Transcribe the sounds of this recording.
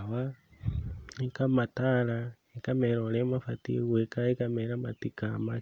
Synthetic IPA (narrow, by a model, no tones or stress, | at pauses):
wa | ikamatala | ekameɾolemafatḭwekaekameɾamatikama